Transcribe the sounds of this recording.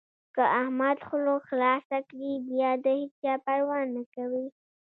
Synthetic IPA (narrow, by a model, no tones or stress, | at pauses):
kəʔahmad̪xʊloxlɑsakɽibjɑd̪əhit͡ʃt͡ʃɑpaɽwɑnːakawi